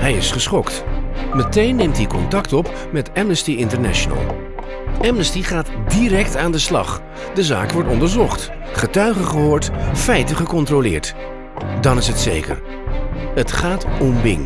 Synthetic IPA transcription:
ɦɛjɪsχəsχɔktmətejnːejmtɦikɔntɑktɔp | mɛtɛmnəstiɪntəɹnɛ̰ʃonə̰lˠ | ɛmnəstiχaːtdirɛktaːndəslɑ̰χ | dəza̰ːkʋɔɹtɔndəɹzɔχt | χətœɥχəχəɦʊːɹtfɛjtəχəkɔntrolɪ̰ːɹt | dɑnɪsɦətsḛjkə̰ɹ | ətχaːtɔmbɪ̰ŋ

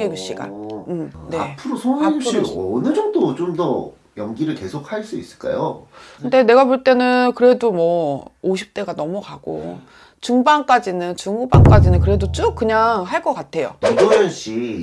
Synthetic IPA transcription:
ŋeɡjuɕ͈iɡa̰ɯmne̞a̰pʰɯɾosʰoŋɡjuɕ͈iːnɯd͡ʑʌŋdot͡ɕomdʌ | jʌŋɡiɾɯɭke̞sʰok̚ʰhaɭs͈uis͈ɯ̥ɭk͈a̰jo̰kʰɯnde̞ne̞ɡapoɭt͈e̞nɯnkɯɾe̞domwʌoɕ̬ʰi̥p̚t͈e̞ɡanʌmukaɡ̥o̰ | t͡ɕuŋbaŋk͈ad͡ʑinɯnt͡ɕuŋubaŋk͈ad͡ʑinɯnkɯɾe̞dot͡ɕ͈uk͈̚ɯɲaŋɦaɭk͈ʌk͈atʰe̞jo̰odonanɕ͈i

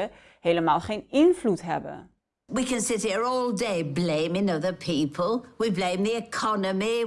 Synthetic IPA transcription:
ə | heləmaːlˠχenɪnvlutɦɛ̰bə̰n | wikɨ̃nsɪtiɹɔːlˠdeɪblẽɪ̃mɪ̃ŋʌðəpʰiˑpʰəlˠwiblẽɪ̃mðiɪkʰɑnəmi

